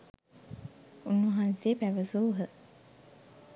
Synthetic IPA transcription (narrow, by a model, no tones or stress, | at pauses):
unːuɦansepæʋəsuɦə